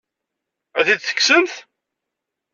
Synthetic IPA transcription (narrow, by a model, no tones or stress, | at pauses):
æðid̪θə̥kːsənθ